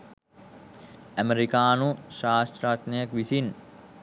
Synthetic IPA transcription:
æmeɾikaːnuʃaːst̪ɾaːt̪nɐjɐkʋisin

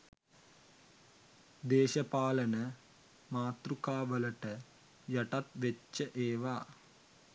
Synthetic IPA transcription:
d̪eːɕɐpaːlɐnɐ | maːt̪rukaːʋɐlɐʈɐ | jɐʈɐt̪ʋet͡ʃːɐʔeːʋaː

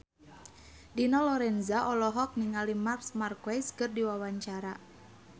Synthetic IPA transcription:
dinɔlɔɾɛnzaʔɔlɔɦɔk̚niŋalimarsmarkwajskɨrdiwawaɲt͡ʃaɾa

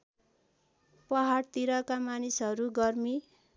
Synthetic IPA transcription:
pʌɦaɽt̪iɾʌkamanisɦʌɾuɡʌrmi

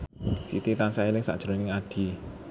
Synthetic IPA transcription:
sḭt̪it̪ansaelɪŋsa̰ʔd̥ɾonɪŋaɖ̥i̤

